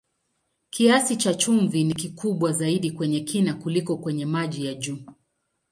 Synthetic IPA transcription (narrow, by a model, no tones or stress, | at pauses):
kiasit͡ʃat͡ʃumvinik̬ikuɓwazaiɗikwɛɲɛkinakulikɔkwɛɲɛmaʄijaʄuː